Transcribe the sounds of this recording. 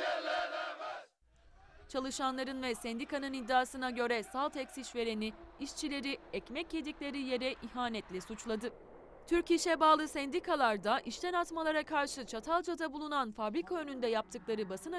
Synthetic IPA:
t͡ʃʰalˠɯʃanlˠaɾɯnvɛsɛnd̪ikʰanɯnid̪ːaːsɯnaɟø̞ɾɛsalˠt̪ʰɛcsiʃve̞ɾe̞niːʃt͡ʃʰilʲe̞ɾiɛcmɛcːje̞d̪iclʲe̞ɾije̞ɾɛʔiɦaːnɛt̪lʲɛsut͡ʃlˠad̪ɯ | t̪ʰyɾciʃɛbaːlˠɯsɛnd̪ikʰalˠaɾd̪aʔiʃt̪ʰɛnat̪malˠaɾakʰaɾʃɯt͡ʃʰat̪ʰalˠd͡ʒad̪abulˠunanfabɾikʰaønynd̪ɛjap̚t̪ʰɯklˠaɾɯbasɯna

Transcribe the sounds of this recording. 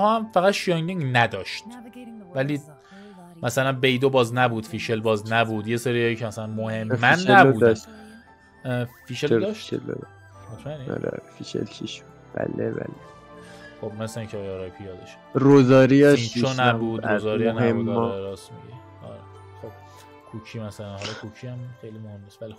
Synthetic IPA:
hɒːæmfæɣæt̪ʃijɒŋd̪iŋɡnæd̪ɒːʃt̪væliː | mæsælænbejd̪obɒːznæbuːd̪̥fiːʃelbɒːznæbuːd̪je̞seɾiɒːjicʰemæsælænmohe̞mːænːæbuːd̪ | fiːʃed̪ɒːʃel̰d̪ | et̪ʰmæniɒ̰ɾḛfiʃḛlt͡ʃʰiʃ | b̥æ̰lebæ̰le | xobmæslæicʰeːjɒɾɒjpʰijɒd̪ɒʃ | ɾozɒːɾiɒit͡ʃʰonæbuːd̪ɾozɒːɾinæemud̪ɾeɾɒːsmḭɟe | ɒ̰ɾe | xob̥̚ | kʰuːkʰiːmæsælænhɒlɒkʰuːkʰiæmxejliːmohe̞mːisvælixo

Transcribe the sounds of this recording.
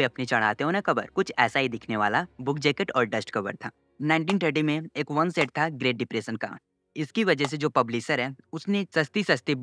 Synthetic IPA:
iɐpnit͡ʃɐɽ̤̃a̰ːt̪eɦõːnakɐbə̰ɾkʊt͡ʃʰɛːsaɦid̪ɪkʰneʋa̰ːlabʊkʰd͡ʒeːkəʈɔːɾɖɐsʈkɐbə̰ɾt̪ʰa̰ː | naːɪ̃ɳʈ̬iːnʈ̪ʰəɾʈimẽeːkʋɐnseːʈ̚t̪ʰaɡɾeːʈ̚ɖɪpɾeːsənka̰ːʈ | ɪskiʋɐd͡ʒɛs̬ed͡ʒoːpɐbliːsəɾɦɛːʊsnesɐst̪isɐst̪i

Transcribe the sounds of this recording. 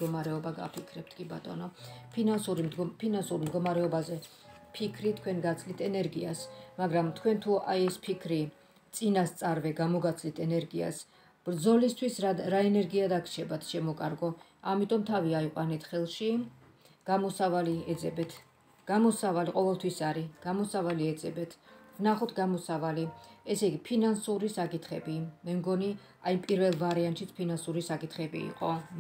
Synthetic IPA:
ɡɔmaɾɛɔbaɡa̰pʰikʰɾɛp̚t̪ʰkʼiba̰t̪ʼɔ̰nɔpʰinansuɾipʰinansuɾmd̪ɡɔmaɾɛɔbazɛ | pʰikʰɾit̪ʰkʰwɛnɡat̪sʰlit̪ʰɛnɛɾɡiasmaɡɾamt̪ʰkʰwɛnt̪ʰuʔajɛspʰikʰɾi | t̪sʼinast̪sʼaɾvɛɡamɔɡat̪sʰlit̪ʰɛnɛɾɡia̰s | b̥ɾd̪zɔlist̪ʰwisɾaɛnɛɾɡiad̪akʰt͡ʃʰɛbat̪ʰʃɛmɔkʼaɾɡɔ | amit̪ʼɔmt̪ʰaviaiqʼwanɛt̪ʰχɛlˠʃi | ɡ̥amɔsavaliɛd̪zɛbɛt̪ʰ | ɡ̥amɔsavaliqʼɔvɛlˠt̪ʰwisaɾiɡ̥amɔsavaliɛd̪zɛbɛt̪ʰvnaχɔt̪ʰɡamɔsavaliɛsɛɡipʰinansuɾisakʼit̪ʰχɛbimɛmɡɔni | aipʼiɾvɛlˠvaɾiant̪ʼʃit̪sʰpʰinansuɾisakʼit̪ʰχɛbḭːqʼɔ

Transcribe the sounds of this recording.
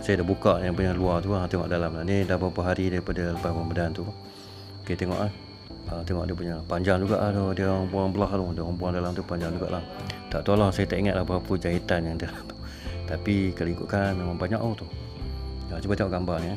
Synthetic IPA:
sajədahbukaʔjaŋpuɲaluat̪uat̪eŋɔ̰ʔdalamlanidabapəɦaɾidaɾipadaləpabambədant̪u | oket̪eŋɔ̰ʔlah | at̪eŋɔ̰ʔdiəpuɲapaɲd͡ʒaŋd͡ʒuɡa̰ʔlahdodiəŋbuaŋbəlaht̪uhdiəaŋbuaŋdalamt̪upaɲd͡ʒaŋd͡ʒuɡa̰ʔlaht̪a̰ʔt̪ualasajət̪aʔiŋat̪̚lahbaapud͡ʒait̪anjaŋdalamt̪u̥ | t̪apikaloikuʔkanmemaŋbaɲa̰ʔoht̪u | daŋt̪ubat̪eŋɔʔɡambania

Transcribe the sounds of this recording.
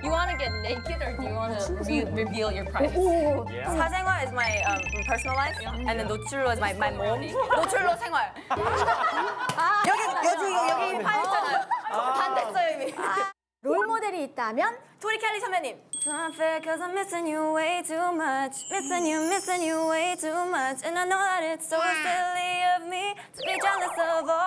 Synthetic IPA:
juwɑnɨɡɛt̚neɪkɪɾə˞juwɑnəiɹivilˠjə˞pʰɹ̥ao | aseŋɦwaɹɪzmaɪʌ̃mpʰə˞sənəl̩ˠlaɪfj | ɛ̃nðənːotʰuoɪzmaɪmaɪmõmnnotʰulosʰeŋwaɭ | ajʌɡijʌd͡ʒujʌɡipʰajʌnajopandes͈ʌjoimi | ɾomodeɾiːt̚t͈amjʌntʰoɾikʰɛlːisʰʌmbjʌɲimsʰoãfekʰʌzãɪ̃mɪsɪ̃ŋjuəweɪtʰumʌt͡ʃʰmɪsɪ̃ŋjɨmɪsɪ̃ŋjɨweɪtʰumʌt͡ʃɛ̃naɪnoʊðaɾɪtsoʊstɪliʌvmitʰbid͡ʒanəsʌvʌ

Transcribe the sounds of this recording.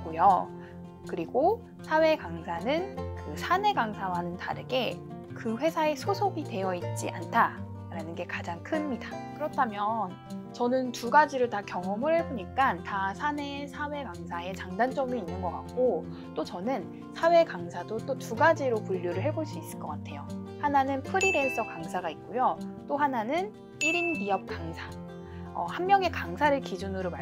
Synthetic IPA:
k͈ujʌ | kɯɾiɡo | sʰawe̞kaŋsʰanɯnkɯsʰane̞ɡaŋsʰawanɯnta̰ɾeɡe̞ | kɯɸwe̞sʰae̞sʰosʰoɡite̞jʌit̚t͡ɕ͈ḭʔa̰ntʰa | ɾanɯnɡe̞kad͡ʑaŋkʰɯnɲidakɯɾʌtʰamjʌn | t͡ɕʌnɯntuɡad͡ʑiɾɯɭtakjʌŋʌmɯɭhe̞boɲik͈antasʰane̞sʰawe̞kaŋsʰae̞t͡ɕaŋdant͡ɕ͈ʌmiinːɯnɡʌk͈ak̚k͈o | t͈ot͡ɕʌnɯn | sʰawe̞kaŋsʰadot͈otuɡad͡ʑiɾopuʎːoɾɯɭɦe̞boɭs͈uis͈ɯɭk͈ʌk͈atʰe̞jo | hananɯnpʰɯɾide̞s͈ʌkaŋsʰaɡaik̚k͈ojot͈ohananɯn | iɾinɡiʌp̚k͈aŋsʰḁ | ʌ̰hammːjʌŋe̞kaŋsʰaɾɯɭkid͡ʑunɯɾoma

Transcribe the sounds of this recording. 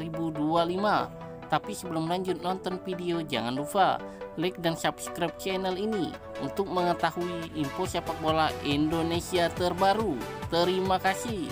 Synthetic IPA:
ɾibudualima | t̪apisəbəlumlaɲd͡ʒʊt̪̚nɔnt̪ɔnfideod͡ʒa̰ŋandufa̰ | lɛk̚dansapskɾap̚t͡ʃɛnɛlinḭ | unt̪ʊk̚məŋət̪ahuiʔːmposiapak̚bolaindonesiat̪ərbaɾut̪əɾimakasi

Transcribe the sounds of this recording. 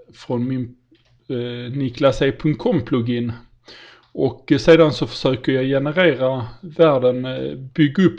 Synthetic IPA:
fɾɔnmɪn | nɪklaseːpʰɵŋt̪̚kʰɔmːpʰlʊɡɪn | ɔkseːd̪ansɔfə̥ʂøːkəɾjajɛnəɾeːɾavæːɖənbʏɡːaɵpː

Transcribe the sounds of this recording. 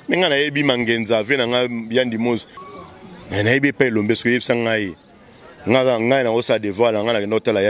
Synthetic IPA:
mɛŋɡanajebimaŋɡɛnzavenaŋɡaandimozi | nanajebiepaelombesi̥koebisaŋɡai | ŋɡaaŋɡainaksaadevwaaŋɡanakɛndaotalaja

